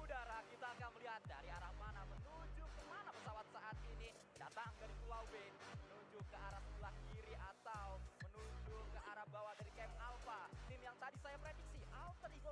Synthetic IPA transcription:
udaɾakit̪aːkanməliɦat̪̚daɾiaɾahmanamənud͡ʒʊkəmanapəsawat̪̚saʔat̪̚ini | da̰t̪aŋkadit̪ulabɪnmənud͡ʒʊkəaɾap̚tulahkiɾiʔat̪awmənud͡ʒʊkəʔaɾap̚bawadaɾikɛmhalfat̪ɪmjaŋt̪adisajapɾedik̚siʔaut̪əɾibo

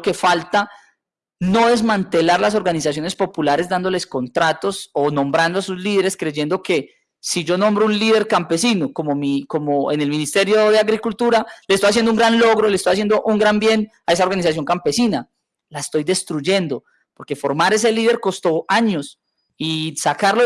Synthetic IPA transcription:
ke̞falt̪a | no̞e̞zmant̪e̞laɾlas̬o̞ɾɣanis̬as̬jo̞ne̞spo̞pulaɾe̞zd̪and̪o̞le̞sko̞nt̪ɾat̪o̞sonõ̞mbɾand̪oasuzliðeɾe̞skɾe̞ʝe̞nd̪o̞ke̞ | sid͡ʒo̞nõ̞mbɾounliðe̞ɾkampe̞sino̞ko̞momiko̞moene̞lminist̪e̞ɾjo̞ðeaɣɾikult̪uɾaleest̪ojas̬je̞nd̪ouŋɡɾanlo̞ɣɾolest̪ojasje̞nd̪oʔuŋɡɾambje̞nae̞sao̞ɾɣanis̬as̬jo̞ŋkampe̞sina | laest̪o̞jd̪e̞st̪ɾuʝe̞nd̪o̞ | po̞ɾke̞fo̞ɾmaɾe̞s̬e̞liðe̞ɾko̞st̪o̞aɲo̞s | isakaɾlo

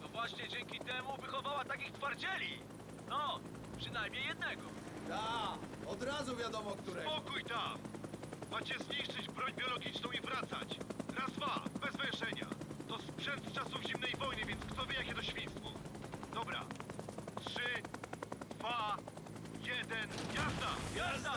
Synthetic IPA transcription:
nɔvwaɕɲɛd͡ʑɛŋkʲit̪ɛmuvɘxɔvawat̪akʲixt̪faɾd͡ʑɛlʲi | nɔ | pʂɨnajmɲejːɛd̪nɛɡɔ | d̪aɔd̪ɾazuvʲjad̪ɔmɔkt̪uɾɛpɔkujt̪akmat͡ɕɛzɲiʂt͡ʂɘd͡ʑbɾɔɲbʲjɔlɔɡʲit͡ʂnɔ̃w̃ivɾat̪sa̰t͡ɕɾazvabɛzvɛʂɛɲa̰t̪ɔspʂɛnt̪st͡ʂasuvʑimnɛjvɔjnɨvʲjɛnt̪skt̪ɔvʲjɛjakʲɛt̪ɔɕfʲĩjst̪fɔ̰d̪ɔbɾa̰tʂɘ | d̪va | jɛd̪ɛnvʲjazd̪aaa

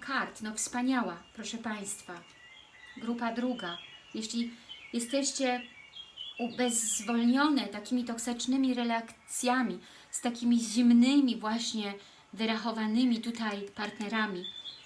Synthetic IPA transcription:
kʰaɾt̪nɔfspaɲawapɾɔʂɛpaj̃st̪fa | ɡɾupad̪ɾuɡajɛɕlʲijɛst̪ɛɕt͡ɕɛ | ubɛzːvɔlɲɔnɛt̪akʲimʲit̪ɔksɘt͡ʂnɘmʲiɾɛlakt̪sʲjamʲi | st̪akʲimʲiʑimnɘmʲivwaɕɲɛ | vɘɾaxɔvanɘmʲit̪ut̪ajpaɾt̪nɛɾamʲi

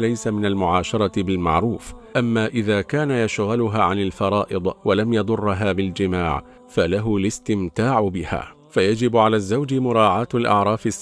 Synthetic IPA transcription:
lajsamɪnalmʊʕɑːʃɑɾˤɑbɪlma̰ʕɾˤuːfʔamːaːʔɪðaːkaːnajaʃɣalʊɦaːʕanalfɑɾˤɑːʔɪd̪ˤwalamjɑd̪ˤʊrˤːɦaːbɪld͡ʒɪmaːʕ | falaɦʊlɪst̪ɪmt̪aːʕʊbɪha̰ː | fajad͡ʒɪbʕalaːzːawd͡ʒmʊɾˤɑːʕaːt̪alʔɑ̰ʕɾˤɑːfɪs

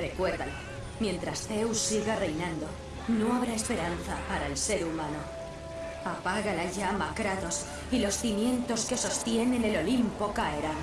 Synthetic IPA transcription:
re̞kwe̞ɾðale | mjẽ̞nt̪ɾast̪e̞usːiɣare̞jnãnd̪o̞ | noaβɾae̞spe̞ɾanθapaɾaelse̞ɾumano | apaɣalaʝamakɾaðo̞s | ilo̞sθimjẽ̞nt̪o̞ske̞so̞st̪je̞ne̞ne̞lo̞limpo̞kaeɾa

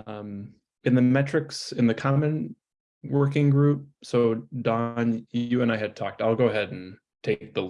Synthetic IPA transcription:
ʌ̃m | ɨ̃nðɨmɛt͡ʃɹ̥ɨksɨ̃nðɨkʰɑmɨ̃n | wɜ˞kɪ̃ŋɡɹʉp̚soʊd̥ɑ̃njʉɨ̃ñaɪɨd̚tʰɔ̰k̚taɪlˠɡoʊəɦɛɾ̃n̩ | tʰeɪk̚ðəl

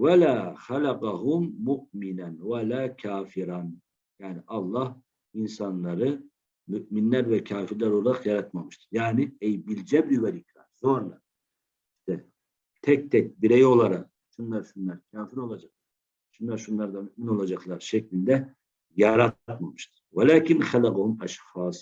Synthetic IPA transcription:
walaːxalaqɑɦumːuʔminænwalaːcʰaːfiɾan | jaːniʔɑlˠːah | insanlˠaɾɯ | myʔminlʲæɾvɛcʰaːfiɾlʲæɾo̞lˠaɾaqjaɾat̪mamɯʃt̪ʰɯ̥jaːniɛjbilʲd͡ʒɛbiyvɛlʲicvæ̰ɾ̥so̞nɾa | iʃt̪ʰɛ | t̪ʰɛct̪ʰɛc̚biɾɛjo̞lˠaɾaq̚ | ʃunlˠaɾʃunlˠaɾcʲʰaːfiɾo̞lˠad͡ʒaqlˠaɾ | ʃunˠaɾʃunlˠaɾd̪amyʔmino̞lˠad͡ʒaqlˠaɾʃɛclʲinʲd̪ɛ | jaɾat̪t̪mamɯʃt̪ʰɯ̥walaːcʰinxælaqahumaʃfaːs

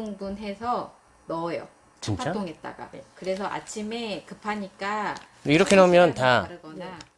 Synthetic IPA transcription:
ŋbunɦe̞sʰʌ | nʌjʌ̰ | t͡ɕinat͡ɕt͈oŋɦe̞t̚t͈a̰ɡa̰kɯɾe̞s̬ʰʌʔa̰t͡ɕʰime̞kɯpʰaɲik͈a | iɾʌkʰenaumjʌntaaɾɯɡʌna

